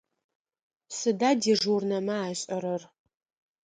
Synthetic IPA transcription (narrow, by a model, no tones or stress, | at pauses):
sɨdaːdiːʐurnɐmɐaːɕʼɐɾɐr